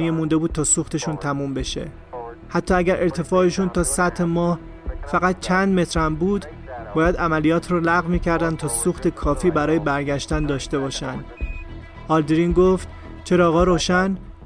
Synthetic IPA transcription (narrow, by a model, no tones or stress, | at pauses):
ijemund̪e̞buːd̪̚t̪ʰɒːsuxt̪e̞ʃunt̪ʰæmuːmbe̞ʃe̞̰ | hæt̪ʰːɒːæɟæɾʔe̞ɾt̪ʰe̞fɒːeʃunt̪ʰɒːsæt̪ʰhemɒːh | fæɣæt̪̚t͡ʃʰænd̪me̞t̪ʰɾæmbuːd̪ | bɒːjæd̪æmælijɒːt̪ʰɾɔːlæɣvmiːcʰæɾd̪ænd̪̚t̪ʰɒːsuːxt̪ʰe̞kʰɒːfiːbæɾɒːje̞bæɾɟæʃt̪ænd̪ɒːʃt̪e̞bɒːʃænd̪ | ɒːld̪ɾinɡoft̪ | t͡ʃʰe̞ɾɒːɣɒːɾoːʃæn